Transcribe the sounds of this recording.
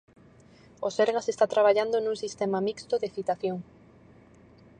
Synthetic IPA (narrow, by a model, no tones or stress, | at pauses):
oseɾɣasest̪at̪ɾaβ̞aʎand̪onuŋsist̪emamikst̪oðeθit̪aθjoŋ